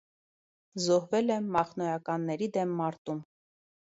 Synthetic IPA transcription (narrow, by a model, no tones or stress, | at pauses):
zɔhvɛlɛmːɑχnɔjɑkɑnːɛɾid̪ɛmːɑɾt̪um